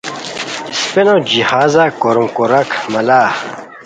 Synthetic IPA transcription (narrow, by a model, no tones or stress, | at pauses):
spenod͡ʑihaːzakoɾumkoɾɐkʰmɐlaː